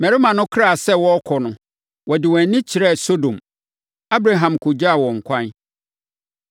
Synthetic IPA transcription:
mɛ˨ɾɪ˦mã˨nʊ̃˦kʰɾa˦˨sɛ˦wɔ˦kʰɔ˨nʊ̃˨ | wɔ˨dɪ˨wɛ̃˨nːɪ̃˦t͡ɕʰɪ˨ɾɛ˦˨so˦dõ˨m | a˦bɾa˦ɦã˨mkʰʊ˨d͡ʑa˦a˨wɔ̃˨ŋ̩˨kʷʰã˦n

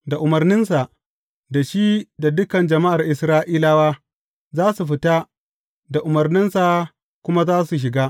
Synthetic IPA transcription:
da˨ʔʊ˨mɐ˨rnɪ˦nsa˨ʔ | da˨ʃi˦da˨dʊ˦kɐ˨nd͡ʒɐ˨ma˦ʔa˨rʔɪ˨sɾaː˦ʔiː˦laː˦waː˦ | zaː˦su˨ɸɪ˦ta˦ | da˨ʔʊ˨mɐ˨rnɪ˦nsa˨ | kʷʊ˦ma˦zaː˦su˨ʃ̬ɪ˨ɡaː˦

